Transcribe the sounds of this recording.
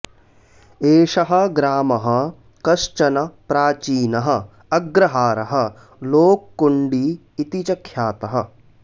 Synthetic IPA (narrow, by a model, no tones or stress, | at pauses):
eːʃɐɦɐ̆ɡɾaːmɐɦɐ̆ | kɐʃt͡ʃɐnɐpɾaːt͡ʃiːnɐɦɐ̆ | ɐɡɾɐɦaːɾɐɦɐ̆ | loːkːuɳɖiː | t̪it͡ʃɐkʰːjaːt̪ɐɦɐ